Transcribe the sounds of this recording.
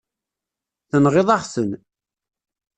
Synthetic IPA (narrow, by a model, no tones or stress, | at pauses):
θənʁɪðˤɑχsən